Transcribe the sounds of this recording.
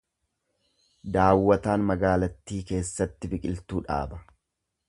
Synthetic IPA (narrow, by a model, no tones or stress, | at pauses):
d̪aːwːɐt̪aːnmɐɡaːlɐt̪ːiːke̞ːsːɐt̪ːɪbɪkʼɪlt̪uːᶑa̰ːbɐ